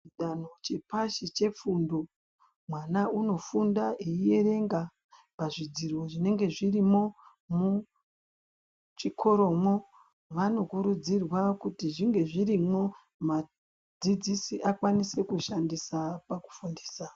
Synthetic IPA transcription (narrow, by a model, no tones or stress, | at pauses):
t͡ʃiɗano̞t͡ʃepaʃit͡ʃe̞p͡fundo̞ | mwanauno̞fundaʔeie̞re̞ŋɡa | paʐid͡zirwo̞ʐine̞ŋɡe̞ʐirimo̞ | mu | t͡ʃikʰo̞ɾo̞ːmo̞ | ʋano̞kuɾud͡zirwakutiʐiŋɡe̞ʐiɾimo̞ | ma | d͡zid͡zisiʔakwanise̞kuʃandisapaku̥fundi̥ːsa